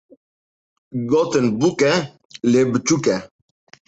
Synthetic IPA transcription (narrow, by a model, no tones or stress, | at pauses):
ɡɔt̪ənbukɛ | lebət͡ʃukɛ